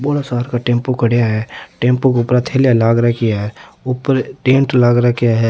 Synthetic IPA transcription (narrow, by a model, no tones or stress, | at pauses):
boːlasaːɾkaʈẽːmpokəɽjaɦɛʈẽːmpokʊpɾat̪ʰeːljalaːɡɾakɪjaɦɛʊpəɾʈẽːɳʈlaːɡɾakijaɦɛ